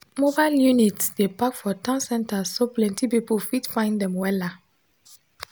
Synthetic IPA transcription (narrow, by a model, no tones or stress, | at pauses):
mobaɪljunitdepakfɔtãnsɛ̃ntasoplɛ̃ntipipofitfãɪ̃ndɛ̃mwɛla